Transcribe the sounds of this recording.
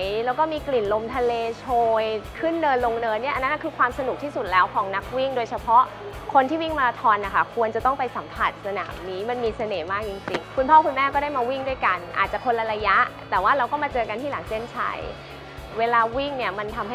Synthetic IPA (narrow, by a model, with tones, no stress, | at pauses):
jlɛ˦˥wkɔː˥˩miː˧kli˨˩nlo˧mt̪ʰa˧leː˧t͡ɕʰoː˧jkʰɯ˥˩nːɤː˧nlo˧ŋnɤː˧ni˥˩ʔa˧na˦˥na˥˩kʰɯː˧kʰwaː˧msa˧nu˨˩k̚t̪ʰiː˥˩su˨˩t̪̚lɛː˦˥wkʰɔː˩˦ŋna˦˥k̚wi˥˩ŋdoː˧jt͡ɕʰa˧pʰɔ˦˥ʔ | kʰo˧nt̪ʰiː˥˩wi˥˩ŋmaː˧laː˧t̪ʰɔː˧nʔa˨˩kʰa˦˥˩kʰu˧ənt͡ɕa˨˩t̪ɔ˥˩ŋpa˧jsa˩˦mpʰa˨˩t̪̚sa˧na̰ː˩˦mniː˦˥ma˧nmiː˧sa˧neː˩˦maː˥˩k̚t͡ɕi˧ŋt͡ɕi˧ŋkʰu˧npʰɔː˥˩kʰu˧nmɛː˥˩kɔː˥˩daː˥˩jmaː˧wi˥˩ŋdu˥˩əjka˧nʔaː˨˩t͡ɕa˨˩kʰo˧nla˧ɾa˧ja˦˥ʔt̪ɛː˨˩waː˥˩ɾa˧wkɔː˥˩maː˧t͡ɕɤː˧ka˧nt̪ʰiː˥˩laː˩˦ŋt͡ɕe˥˩nt͡ɕʰa̰˦˥j | weː˧laː˧wi˥˩ŋni˥˩əma˧nt̪ʰa˧mɦa˥˩